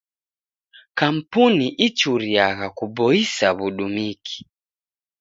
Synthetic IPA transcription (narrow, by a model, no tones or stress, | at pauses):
kam̩puniʔit͡ʃuɾiaɣakubɔisaβuɗumikʰi̥